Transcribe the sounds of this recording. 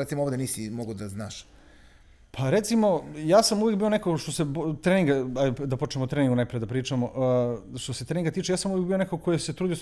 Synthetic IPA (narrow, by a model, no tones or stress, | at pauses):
ɾet̪simoovd̪eniːsimoɡod̪azna̰ːʃ | pʰaɾet̪simo̞jaːsamuvjekbio̞nekoʃt̪osebt̪ɾeniŋɡaaj̪d̪apot͡ʃnemot̪ɾeːniŋɡunajpɾije̞d̪apɾiːt͡ʂamoʔʃt̪oset̪ɾeniŋɡat̪iːt͡ʃejaːsamuvjekbio̞nekokojeset̪ɾuːd̪io